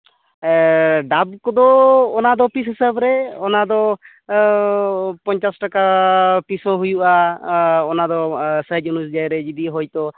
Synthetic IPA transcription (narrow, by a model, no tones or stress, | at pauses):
ɖab̚kɔd̪ɔːnad̪ɔpisɦisəbɾɛɔnad̪ɔ | pɔɲt͡ʃasʈakapisɔ̃ɦujuʔaː | nad̪ɔsəd͡ʒunus̬d͡ʒajɾɛd͡ʒid̪iɦɔjt̪ɔ